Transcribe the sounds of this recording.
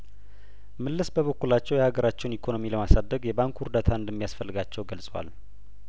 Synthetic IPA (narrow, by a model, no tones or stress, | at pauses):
mɨlːɨsbəβəkːulat͡ʃːɛwjɛhaɡəɾat͡ʃːɛwnikʰono̞miləmasad̪ːəɡjɛbaŋkhuɾd̪at̪ʰaɨnd̪əmːijasfəlːɨɡat͡ʃːɛwɡəlsʼwa̰l